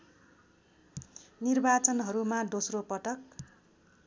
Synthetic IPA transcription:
nirbat͡sʌnɦʌɾumad̪osropʌʈʌk̚

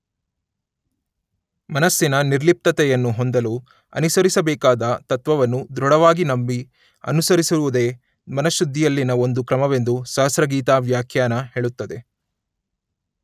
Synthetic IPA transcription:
mɐnɐsːinɐniɾlip̚t̪ɐt̪ɛjɐnːuɦond̪ɐlu | ɐ̰nisɐɾisɐbɛːkaːd̪ɐt̪ɐt̪ʋɐʋɐnːud̪ɾɔɽɐʋaːɡinɐmbi | ɐ̰nusɐɾisiɾuʋud̪e̞ː | mɐnɐʃud̪ʱːijɐlːinɐo̞nd̪ukɾɐmɐʋe̞nd̪usɐɦɐsɾɐɡiːt̪aːʋjaːkʰjaːnɐɦeːɭut̪ːɐd̪e̞

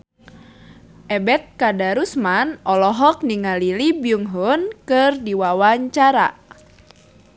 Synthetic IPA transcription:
ʔɛbɛt̪̚kadaɾusmanʔɔlɔɦɔk̚niŋalilibiuŋɦɔnkɨrdiwawaɲt͡ʃaɾa̰

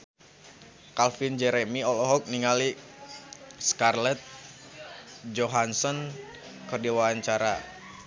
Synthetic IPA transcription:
kalfind͡ʒɛɾɛmiɔlɔɦɔk̚niŋali | skarlɛt̪̚ | d͡ʒɔɦansɔn | kərdiwaaɲt͡ʃaɾa

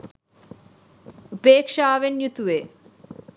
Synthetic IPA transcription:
upeːkʂaːʋenjut̪uʋe

